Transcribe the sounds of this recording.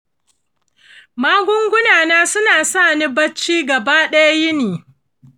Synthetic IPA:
maː˦ɡʷʊ˦ŋɡʷʊ˦naː˨naː˦sʊ˦naː˨saː˦˨ni˦bɐ˦t͡ʃːiː˦ɡɐ˨baː˦ɗɛ˦ja˦jɪ˦niː˨

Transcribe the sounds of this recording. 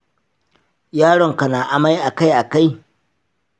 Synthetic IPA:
jaː˦ɽɔ˨ŋka˨naː˨ʔa˨ma˦jʔa˨ka˦jʔa˨ka˦j

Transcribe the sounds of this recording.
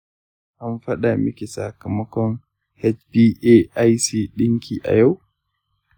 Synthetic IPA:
ʔa˦nɸɐ˦ɗaː˨mɪ˦kʲi˨sa˨kɐ˨mɐ˦kɔ˦ŋ | hɛ˦t͡ʃbiː˦ʔe˦a˦jsiː˦ɗɪ˦ŋkʲiː˨ʔa̰˨ja˦w

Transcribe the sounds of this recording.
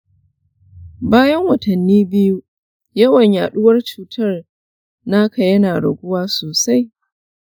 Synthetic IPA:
baː˦jɐ˦ŋwɐ˨tɐ˨nːiː˦bɪ˦ju˦ | jɐ˦wɐ˨ɲjaː˨ɗʊ˦wɐ˦rt͡ʃuː˨tʰɐ˦r | naː˦kʰɐ˨jɐ˦naː˨ɽɐ˨ɡʷʊ˦waː˦soː˨sa˦j

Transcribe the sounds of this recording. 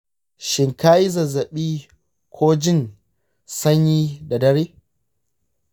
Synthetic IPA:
ʃɪ˨ŋkaː˦ji˦zɐ˨zɐ˨ɓiː˦ | kʷʰoː˦d͡ʒɪ˦˨n | sɐ˦ɲjiː˦da˨dɐ˦ɽeː˦

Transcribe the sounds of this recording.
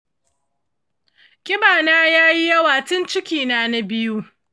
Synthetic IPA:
kʲɪ˦baː˨naː˦jaː˦ji˦jɐ˦waː˨tɪ˦nt͡ʃɪ˦kʲiː˨naː˦na˦bɪ˦ju˦

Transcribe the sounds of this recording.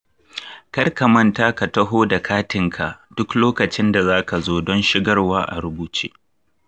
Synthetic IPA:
kɐ˦rkɐ˨mɐ˦ntaː˦ka˨tɐ˦ɦoː˦da˨kʰaː˦tɪ˨ŋkʰa˨ʔd̥ʊ˦kloː˦kɐ˨t͡ʃɪ˦nda˨zaː˦ka˨zoː˦dɔ˦nʃɪ˦ɡɐ˦rwaː˦ʔa̰˨ɾʊ˦buː˦t͡ʃḛː˦

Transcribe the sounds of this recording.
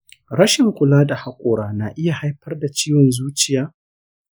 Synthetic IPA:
ɾɐ˦ʃɪ˨ŋkʷʊ˨laː˦da˨ha˦kʷʼoː˨ɽaː˦na˨ʔɪ˦ja˨ha˦jɸɐ˦rda˨t͡ʃiː˦wɔ˨nzuː˦t͡ʃɪ˦jaː˦

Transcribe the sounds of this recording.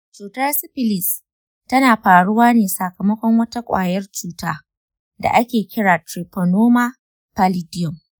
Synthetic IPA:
t͡ʃuː˨tɐ˦rsɪ˦ɸɪ˦lɪ˨s | tɐ˦naː˨ɸaː˨ɽʊ˦waː˦neː˨sɐ˨kɐ˨mɐ˦kʷɔ˦ŋwɐ˦ta˦kʷʼa̰ː˨jɐ˦rt͡ʃuː˦taː˦ | da̰˨ʔa˦kʲeː˨kʲɪ˦ɽaː˨tɾi˨pɔ˨noː˦maː˦ | pa˨lɪ˦dɪ˦jɔ˨m

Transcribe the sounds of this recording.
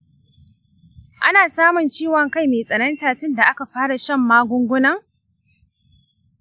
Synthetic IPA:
ʔa˦naː˨saː˦mʊ˨nt͡ʃiː˦˨wɐ˨ŋka˦jmeː˨sʼɐ˨nɐ˦ntaː˨tɪ˦nda˨ʔa˦ka˨ɸaː˦ɽa˨ʃɐ˦mːaː˦ɡʷʊ˦ŋɡʷʊ˦nɐ˦ŋ

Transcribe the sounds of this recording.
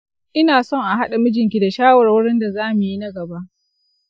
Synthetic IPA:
ʔɪ˦naː˨sɔ˦ŋʔa˨ɦa˦ɗa˨mʊ˦d͡ʒɪ˨ŋkʲi˨da˨ʃaː˦wɐ˨rwʊ˦ɽɪ˦nda˨zaː˦mu˨ji˦na˦ɡɐ˨ba˦ʔ

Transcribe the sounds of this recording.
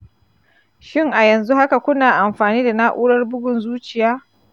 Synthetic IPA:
ʃɪ˦ŋʔa˨jɐ˨nzu˦ha˦ka˨kʷʊ˦naː˨ʔa˨mɸaː˨niː˦da˨naː˦ʔuː˦ɽɐ˦rbʊ˦ɡʷʊ˨nzuː˦t͡ʃɪ˨jaː˦

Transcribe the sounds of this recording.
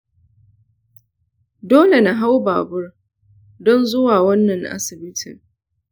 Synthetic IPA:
doː˦le˨na˨ɦa˦wba̰ː˨bʊ˦r | dɔ˦nzʊ˦waː˨wɐ˦nːɐ˨ŋʔa̰˦sɪ˨bɪ˦tʰɪ̰˨ŋ

